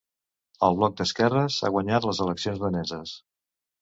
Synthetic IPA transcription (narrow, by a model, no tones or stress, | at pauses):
əlˠβlɔk̚d̪əskɛrəsa̰ɣwəɲat̪ləzələksionzðənɛzəs